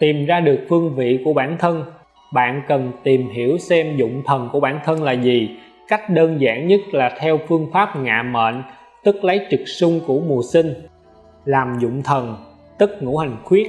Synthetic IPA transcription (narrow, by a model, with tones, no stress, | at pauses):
t̪i˨˩mzaː˧ɗɨ˨˩ək̚fɨ˧əŋvḭ˧˨ku˧˩əɓaː˧˩nt̪ʰə˧n | ɓa̰ː˧˨nkə˨˩nt̪i˨˩mhi˧˩əwsɛ˧mzʊ̰˧˨ŋ͡mt̪ʰə˨˩nku˧˩əɓaː˧˩nt̪ʰə˧nlaː˨˩zi˨˩ | ka˦˥k̟̚ɗəː˧nza̰ː˧˩ŋɲə˦˥t̚laː˨˩t̪ʰɛ˧wfɨ˧əŋfaː˦˥p̚ŋa̰ː˧˨mə̰ː˧˨n | t̪ɨ˦˥k̚lə˨˦jt͡ɕɨ˨˩k̚sʊ˧ŋ͡mku˧˩əmu˨˩əsï˧ŋ̟ | laː˨˩mzʊ̰˧˨ŋ͡mt̪ʰə˨˩n | t̪ɨ˦˥k̚ŋṵ˧˥ha˨˩jŋ̟xwi˦˥ət̚